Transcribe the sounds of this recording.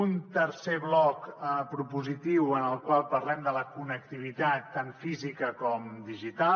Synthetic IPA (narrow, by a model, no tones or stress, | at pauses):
unt̪əɾseβlɔkəpɾupuzit̪iwənəlˠkwalˠpəɾlɛmd̪ələkunək̚t̪iβ̞it̪at̪ːanfizikəkɔmd̪iʒit̪a